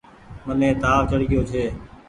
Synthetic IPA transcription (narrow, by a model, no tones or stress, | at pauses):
mənẽːt̪aːʋt͡ʃəɽɡɪjoːt͡ʃʰeː